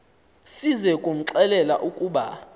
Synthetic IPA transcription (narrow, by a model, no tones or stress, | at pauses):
sizɛkʼum̩ǁɛlɛla̰ʔukʼuːɓa